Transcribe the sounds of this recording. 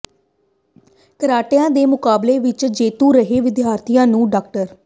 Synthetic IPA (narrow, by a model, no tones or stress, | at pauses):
kəɾaːʈejãːd̪eːmʊkaːbleːʋɪt͡ʃd͡ʒeːt̪ũːɾəɦeːʋɪd̪jaːɾt̪ʰijãːnũːɖaːk̚ʈəɾ